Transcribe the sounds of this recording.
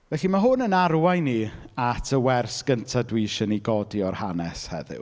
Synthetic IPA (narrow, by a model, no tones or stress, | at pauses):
vɛɬimaɦʊnənarwajniatʰəwɛrsɡ̥əntʰadwiʃəniɡɔdiɔrhanɛshɛ̰ðɪ̰w